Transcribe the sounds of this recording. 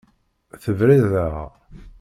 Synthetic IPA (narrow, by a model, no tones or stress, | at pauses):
θəvɾiðæʁ